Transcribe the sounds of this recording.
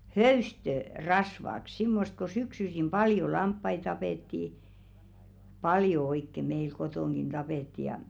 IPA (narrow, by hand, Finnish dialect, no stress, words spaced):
høystø rɑsʋɑk simːost ko syksysim pɑljo lɑmpːɑi tɑpeˑtːi pɑljo oikːe meil kotoˑŋɡ̊in d̥ɑpeˑtːi jɑ